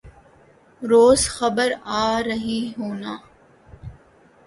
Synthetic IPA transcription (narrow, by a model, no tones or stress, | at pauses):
ɾoːzxəbəɾaːɾəɦiɦoːnaː